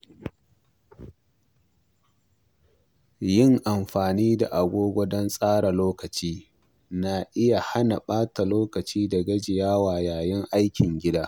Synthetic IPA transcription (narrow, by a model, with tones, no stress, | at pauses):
jɪ˦˨ŋʔa˨mɸaː˨niː˦da˨ʔa˨ɡʷoː˦ɡʷɔ˦dɔ˦nsʼaː˦ɽa˨loː˦kɐ˨t͡ʃiː˦ | na˨ʔɪ˦ja˨ha˦na˨ɓaː˦ta˨loː˦kɐ˨t͡ʃiː˦dɐ˨ɡɐ˦d͡ʒɪ˨jaː˦waː˨jaː˨jɪ˦ŋʔa˦jkʲɪ˨ŋɡʲɪ˦daː˦